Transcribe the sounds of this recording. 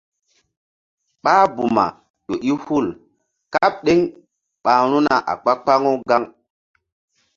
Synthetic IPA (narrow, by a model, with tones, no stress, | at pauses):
ɓa˦bu˨ma̰˨ | ɗo˨ʔi˦hu˦˨l | ka˦p̚ɗe˦ŋ | ɓa˨ɾ̃u˦na˨ʔa̰˨k͡pa˦k͡pa˦ŋo˦ɡa˦ŋ